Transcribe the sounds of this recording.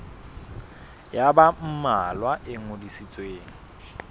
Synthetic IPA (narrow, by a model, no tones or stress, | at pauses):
jabam̩malwaʔɪŋodisit͡sʼweːŋ̩